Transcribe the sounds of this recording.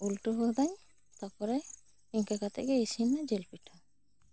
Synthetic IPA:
ulʈɔɦɔd̪aɲ | t̪apɔɾɛ | iɲkakat̪ɛ̰ʔɡɛisinad͡ʒelpiʈʰa

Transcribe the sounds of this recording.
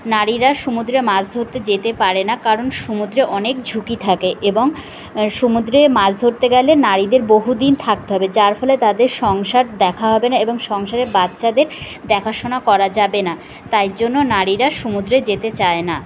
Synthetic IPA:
naɾiɾaʃumud̪ɾemad͡ʑd̪ʱoɾt̪ed͡ʑet̪epaɾenakaɾonʃumud̪ɾeʔɔnekd͡ʑʱukit̪ʰakeʔeboŋ | ʃumud̪ɾemad͡ʑd̪ʱoɾt̪eɡɛlenaɾid̪eɾboɦud̪int̪ʰak̚t̪eɦɔbed͡ʑaɾfɔlet̪ad̪eɾʃɔŋʃaɾd̪ɛkʰaɦɔbenaeboŋʃɔŋʃaɾeɾbat̪ːɕad̪eɾ | d̪ɛkʰaʃonakɔɾad͡ʑabena | t̪ajd͡ʑonːonaɾiɾaʃumud̪ɾed͡ʑet̪et͡ɕaena

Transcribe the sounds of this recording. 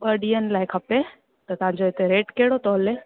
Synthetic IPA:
ɓəɖiːən̆laːɪkʰɐpe | t̪ɐt̪ɐʋ̤ãɲ̆d͡ʑoɪt̪eɾeːʈkeɦɪɽot̪ɔːəle

